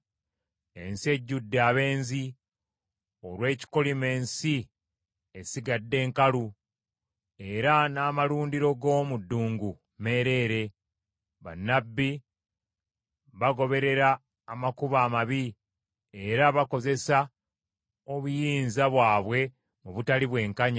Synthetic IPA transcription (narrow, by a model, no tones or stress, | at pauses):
e̞̰nsie̞ɟːudːeaːβe̞ːnzi | o̞ɾwe̞ːci̥kolime̞ːnsi | esiɡadːe̞ːŋkalu | e̞ɾanaːmaluːndiɾo̞ɡo̞ːmudːuːŋɡu | me̞ɾe̞ːɾe̞ | βa̰nːabːi | βaɡo̞βe̞ɾe̞ɾaː | makuβaːmaβi | e̞ɾaβako̞ze̞sa | oβujiːnzaβwaːβwe̞ | muβutaliβwe̞ːŋkaɲa